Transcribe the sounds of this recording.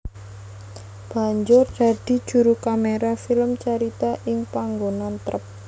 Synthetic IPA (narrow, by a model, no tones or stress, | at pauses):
b̥a̤ɲd͡ʒʊrd̪̥a̤d̪̥i̤d̥ʒ̥ṳɾukameɾafiləmt͡ʃaɾit̪aʔɪŋpaŋɡonant̪ɾəp̚